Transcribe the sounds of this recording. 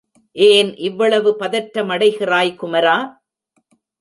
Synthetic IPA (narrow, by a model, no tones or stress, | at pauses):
ʔeːnʔɪʋːɐɭɐʋɯpɐðɐʈːɐmɐɽɐɪɣɪraːjkʊmɐɾaː